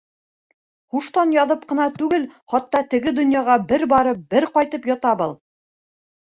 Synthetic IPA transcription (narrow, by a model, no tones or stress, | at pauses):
χuʃt̪ɑnjɑðɤp̚qɤ̆nɑt̪ʉɡɘlχɑt̪ːɑt̪ɘ̆ɡɘd̪ŏnjɑʁɑbɘɾbɑɾɤp̚bɘɾqɑjt̪ɤpjɑt̪ɑbɤlˠ